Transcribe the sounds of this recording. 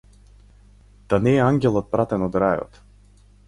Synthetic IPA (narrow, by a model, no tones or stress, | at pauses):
t̪anɛaŋɡʲɛlˠɔt̪̚pɾat̪ɛnɔd̪ɾaːjɔ̰t̪